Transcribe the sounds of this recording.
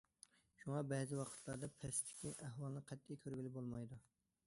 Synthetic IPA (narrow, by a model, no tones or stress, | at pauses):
ʃuŋɑbɛzɪwɑqʰə̥t̪ʰlˠɑɾd̪ɑpʰɛst̪ʰɪ̥kʲiʔæɦwɑlˠnɨqʰɛt̪ʰːejkʲʰøɾɡʲilɪbolˠmɑjd̪u